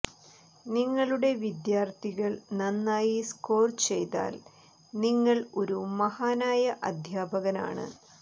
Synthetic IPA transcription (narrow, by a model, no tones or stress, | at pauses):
niŋːɐɭuɽe̞ʋid̪jaːrt̪ʰiɣɐɭnɐnːaːjiskoːrt͡ɕe̞jt̪a̰ːl | niŋːɐɭo̞ɾumɐhaːnaːjɐʔɐd̪ʱjaːbɐɣɐna̰ːɳɨ̰